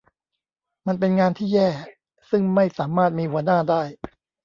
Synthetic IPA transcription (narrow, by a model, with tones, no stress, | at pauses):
ma˧np̬e˧nŋaː˧nt̪ʰiː˥˩jɛː˥˩ | sɯ˥˩ŋma˥˩jsaː˩˦maː˥˩t̪̚miː˧hu˩˦ɐnaː˥˩daː˥˩j